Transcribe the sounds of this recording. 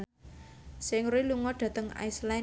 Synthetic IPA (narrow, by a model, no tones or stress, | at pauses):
sɪŋruiluŋɔɖ̥a̤t̪əŋa̰isla